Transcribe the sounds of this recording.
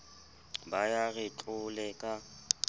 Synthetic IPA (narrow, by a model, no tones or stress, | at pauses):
bajaɣɪt͡ɬʼʊlɛkʼa